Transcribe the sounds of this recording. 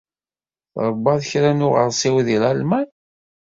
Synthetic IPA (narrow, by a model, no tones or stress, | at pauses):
θɾˤəbːɑðəçɾænʊʁə̰ɾˤsɪwðilalmæn